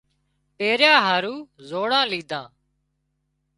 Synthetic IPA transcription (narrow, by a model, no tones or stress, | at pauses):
peːɾjãːɦaːɾuːzoːɽãːliːd̪ʱãː